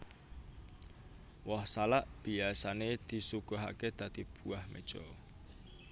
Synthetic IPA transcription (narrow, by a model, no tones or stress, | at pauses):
wɔhsalaʔb̥iasaned̪̥i̤sukɔɦa̰ked̪̥a̤d̪̥i̤b̥uahmʔḛ̥d͡ʒ̥ɔ̰